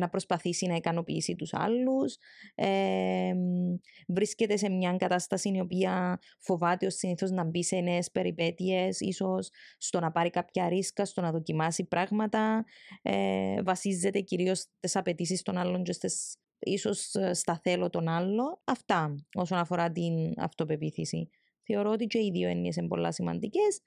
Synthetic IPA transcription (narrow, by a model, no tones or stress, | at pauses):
nɐpɾospɐθisinɐikɐno̞pḭːsit̪usɐ̰lːuse | vɾisce̞t̪e̞se̞mɲɐŋɡɐt̪ɐst̪ɐsinio̞piɐ | fo̞vɐt̪eosːiniθo̞znɐmbiseneːspe̞ɾipe̞t̪ie̞sḭso̞sːt̪o̞nɐpɐɾikɐpçɐɾiskɐst̪o̞nɐðo̞cimɐsipɾɐɣmɐt̪ɐḛvɐsizːe̞t̪e̞ciɾio̞st̪e̞sɐpe̞t̪is̬ist̪o̞nɐlːo̞ɲd͡ʒost̪es | iso̞sst̪ɐθe̞lot̪o̞nɐlːo̞ɐft̪ɐo̞so̞nɐfo̞ɾɐt̪inɐ̰ft̪o̞pe̞piθisḭ | θe̞oɾoot̪it͡ʃeiðioenːies̬embo̞̰lːɐsimɐ̰nd̪ice̞s